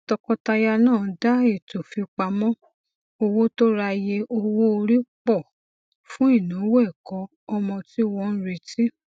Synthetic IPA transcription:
tɔ˧kɔ˧ta˧ja˧nãː˦˨da˦e˦˨to˨fi˧k͡pa˧mɔ̃˦ | o˧wo˦to˦ɾa˧je˧ʔo˧wo˦o˧ɾi˦k͡pɔ˦˨ | fũ˦i˦˨nũ˨˦wɛ˦˨kɔ˨˦ | ɔ˧mɔ̃˧ti˦wɔ˧n̩˦ɾi˧˨ti˦

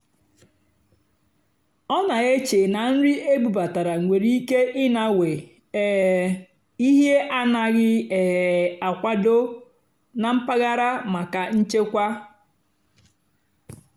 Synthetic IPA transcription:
ɔ˦na˨e˦t͡ʃe˨na˨n̩˦ɾi˦e˦bu˨ba˨ta˨ɾa˨ŋʷe˨ɾi˦i˦ke˦ʔɪ˦na˨we˨ | e˨ | i˦ɦje˦ʔa˦na˨ɣɪ˦e˨a˨kʷa˦do˦ | na˨m̩˦pa˦ɣa˦ɾa˦ma˨ka˨n̩˦t͡ʃe˦kʷa˦

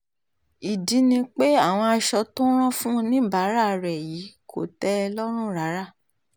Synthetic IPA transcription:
i˨dĩ˨˦nĩ˧k͡pe˦a˦˨w̃ɔ̃˧a˧ʃɔ˧tɔ̃˦ɾ̃ɔ̃˦fũ˦nĩ˦ba˨˦ɾa˦˨ɾɛ˨ji˨˦kʰo˦˨tɛ˦˧lɔ˦ɾ̃ũ˦˨ɾa˨˦ɾa˦˨

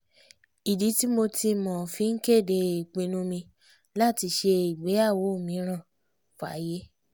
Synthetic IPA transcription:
i˨di˨˦ti˦mo˧ti˧mɔ̃˨fi˧˦ŋ̩˦ke˦˨de˧i˨k͡pĩ˨˦nũ˦mĩ˧ | la˦˨ti˧ʃe˧i˨ɡ͡be˨˦a˦˨wo˨˦o˦˨mĩ˨˦ɾ̃ã˦˨ | fa̰˨˦je˦

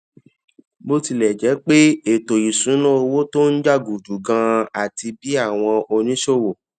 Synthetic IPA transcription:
bo˦ti˧lɛ˨d͡ʒɛ˨˦k͡pe˦e˨to˨i˨sũ˨˦lã˦o˧wo˦to˦n̩˦d͡ʒa˦˨ɡu˨d͡ʒu˨ɡã˧a˨ti˧bi˦a˦˨w̃ɔ̃˧o˧nĩ˨˦ʃo˦˨wo˨

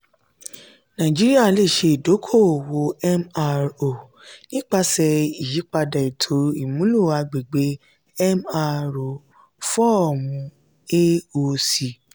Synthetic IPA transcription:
nã˨d͡ʒi˦ɾi˦a˦˨le˦˨ʃe˧i˨do˨˦kʰo˦˨wo˧ɛ˦ma˧o˨ | nĩ˦k͡pa˧sɛ˧i˨ʃi˨˦k͡pa˧da˨i˨tʰo˨˦i˦˨mũ˨˦lu˦˨a˧ɡ͡be˨ɡ͡be˨˦ | ɛ˦ma˧ɾo˨ | fɔ˦ɔ˦˨mũ˧ | e˦o˧si˨

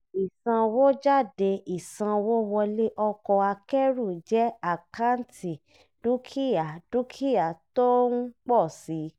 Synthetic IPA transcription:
i˨sã˧wo˦d͡ʒa˦˨de˧ʔi˨sã˧wo˦wɔ˧le˦ʔɔ˧kɔ˧a˧kɛ˦ɾu˦˨d͡ʒɛ˦a˨ka˦n˦ti˨ | d̥u˦kʰi˦ja˨du˦kʰi˦ja˨to˦n̩˦k͡pɔ˦˨si˨˦

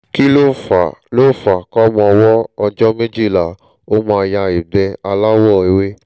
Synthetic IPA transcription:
ki˦lo˦fa˨lo˦˨fa˨kɔ˦mɔ̃˧ɔ˧wɔ˦ɔ˧d͡ʒɔ˦me˦d͡ʒi˦˨la˨ | o˦mãː˧ja˧i˨bɛ˧a˧la˦wɔ˦˨e˨we˦

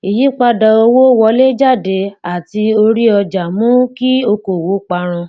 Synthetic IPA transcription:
i˨ji˨˦k͡pa˧da˨o˧wo˦wɔ˧˦le˦d͡ʒa˦˨de˨˦a˨ti˧o˧ɾi˦ɔ˧d͡ʒa˨mũ˦ki˦o˧ko˨wo˨˦k͡pa˧ɾ̃ã˧

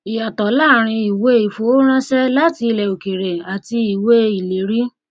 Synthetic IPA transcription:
i˨a˨tɔ˨˦la˦˨ɾ̃ĩ˧i˨we˦i˨fo˨˦ɾ̃ã˦ʃɛ˦la˦ti˧lɛ˨o˨ke˨ɾe˨a˨ti˧i˨we˦i˨le˨ɾi˦

